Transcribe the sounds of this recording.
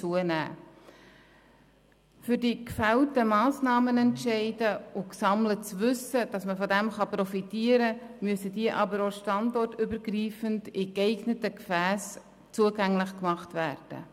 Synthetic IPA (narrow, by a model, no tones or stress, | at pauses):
t͡suənæ̰ː | fʏɾdikfæltəmɑːsnɑːmənɛntʃɛɪdəʊksɑmlət͡sʋʏsəd̥ɑsməfɔdɛmχɑpɾɔfitiəɾəmyəsədiəʔɑbəɾoʃtɑndɔrtʏbəɾɡriːfəndɪkɛɪɡnətəkfæːs | t͡suəɡæŋlɪχkmɑχtvæːrd̥ə̰